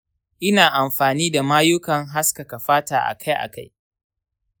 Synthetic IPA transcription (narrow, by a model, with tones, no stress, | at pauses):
ʔɪ˦naː˨ʔa˨mɸaː˨niː˦da˨maː˦jʊ˦kɐ˨ŋɦa˦skɐ˨ka˨ɸaː˦taː˨ʔa̰˨kʰa˦jʔa̰˨ka˦j